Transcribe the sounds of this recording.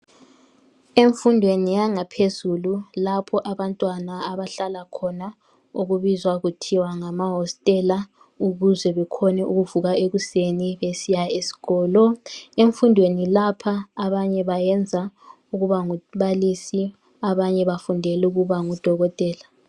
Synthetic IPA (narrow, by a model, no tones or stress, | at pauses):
eɱfundʱwenijaŋapʰezululapʰɔʔaβantʼwanaaβaɬalakʰɔna | uɣuβizwaɣutʰiwaŋamaɦɔstʼɛla | uɣuzɛβɛkʰɔnɛʔuɣuvuɣaeɣuseniβesijaesi̥ɣɔːlɔeɱfundʱwenilapʰaːβaɲɛβajɛnd͡zʱa | uɣuβaŋuβalisi | aβaɲɛβafundʱɛlɛuɣuβaŋud̥ʱɔɣɔtʼɛːla